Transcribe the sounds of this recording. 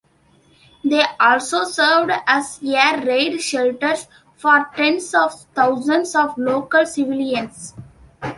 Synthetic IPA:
d̪eːʔɔːlsoːsəɾʋɖæzjeɾːeːɖʃɛlʈəɾs | fɔːɾʈẽnsɔːʋt̪ʰaʊzə̃nɖsɔʋloːkəlsɪʋɪliə̃ns

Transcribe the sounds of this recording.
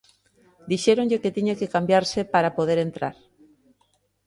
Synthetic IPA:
d̪iʃeɾoŋʎeket̪iɲakekambjaɾsepaɾapoð̞eɾent̪ɾa̰ɾ

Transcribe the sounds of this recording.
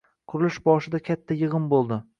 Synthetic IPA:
qʰʊɾɪlɪʃbɒʃɪd̪akʲʰat̪ʰːajɨʁɨnbolˠd̪ɪ

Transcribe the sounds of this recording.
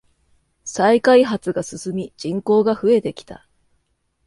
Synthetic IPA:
saikaiɦat͡sɨɡasɨsɨmʲid͡ʑĩŋko̞ːɡaɸɯ̟e̞t̪e̞kʲi̥t̪a̰

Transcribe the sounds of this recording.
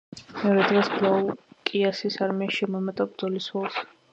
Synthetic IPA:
mɛɔɾɛd̪ʁɛsblˠaukʼiasisaɾmɛaʃimɔmat̪ʼabɾd̪zɔliswɛlˠs

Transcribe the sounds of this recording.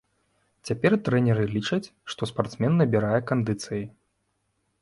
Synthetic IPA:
t͡sʲapʲɛrt̪ɾɛnʲɛɾɨlʲit͡ʂɐt͡sʲʂt̪ɔspart̪smʲɛnːɐbʲiɾajɛkand̪ɨt̪sɨjɐ

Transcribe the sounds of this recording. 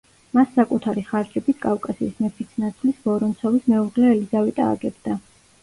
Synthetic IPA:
masːakʼut̪ʰaɾiχaɾd͡ʒɛbit̪ʰkʼafkʼasḭːsmɛpʰit̪sʰnat̪sʰlisbɔɾɔnt̪sʰɔvismɛuʁlɛːlizavɛt̪ʼa̰ːɡɛbd̪a

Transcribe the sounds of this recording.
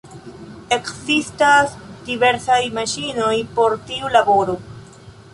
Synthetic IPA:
e̞kzistasdive̞ɾsajmaʃino̞jpo̞ɾtiulabo̞ɾo̞

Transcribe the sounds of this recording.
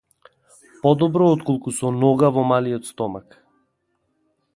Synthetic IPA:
pɔd̪ɔbɾɔɔt̪kɔlˠkusɔnɔɡavɔmaliɔt̪st̪ɔmak

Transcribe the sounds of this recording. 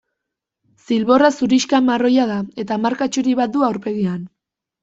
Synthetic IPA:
silβo̞rasuɾiʃkamaro̞jað̞ae̞t̪aːmaɾkat͡ʃuɾiβat̪̚d̪uawɾpe̞ɣian

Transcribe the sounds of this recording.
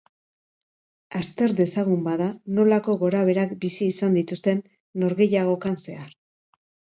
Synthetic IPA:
ast̪e̞ɾðe̞saɣumbaðano̞lako̞ɣo̞ɾaβ̞e̞ɾakbisiːsand̪it̪ust̪e̞nː | o̞ɾɣe̞jaɣ̞o̞kanse̞aɾ

